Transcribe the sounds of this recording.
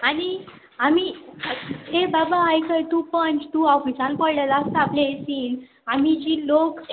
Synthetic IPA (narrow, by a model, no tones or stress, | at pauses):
añi | ami | ɦebabaːjkəɾʈ̪upənt͡ɕʈ̪uɔfisãlpɔɭɖəlast̪aplesiːn | amid͡ʑilok